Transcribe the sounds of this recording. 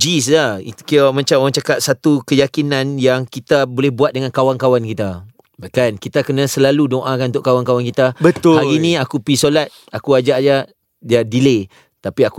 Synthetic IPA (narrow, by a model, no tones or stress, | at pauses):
d͡ʒislait̪kiamãt͡ʃamoaŋt͡ʃakaʔ̚sat̪ukəjakinãnjaŋkit̪abolɛhbuat̪̚dəŋãnkawaŋkawankit̪a | bakankit̪akənãsəlaludoʔakannt̪ʊʔkːawankawankit̪abət̪ʊaɣinĩakupisolat̪̚ | akuad͡ʒaʔd͡ʒa | dadile | t̪apiaku